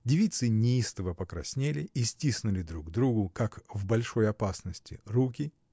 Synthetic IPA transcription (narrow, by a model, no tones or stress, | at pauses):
dʲɪvʲit̪sɨnʲɪist̪əvəpəkɾɐsʲnʲelʲɪisʲtʲisnʊlʲɪd̪ɾuɡd̪ɾuɡʊkakvbɐlʲʂo̞jɐpasnəsʲtʲɪ̰rukʲɪ